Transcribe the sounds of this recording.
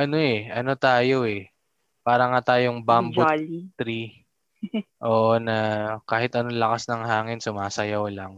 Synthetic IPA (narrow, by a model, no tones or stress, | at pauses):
ʔɐno̞ɛʔɐno̞t̪aːjo̞ɛ | paːɾɐŋat̪aːjoŋbambotlt̪ɾi | ʔo̞ːʔonɐkaːhɪt̪ʔɐnoŋlɐkasnɐŋhaːŋɪnsʊmaːsɐjɐwlɐŋ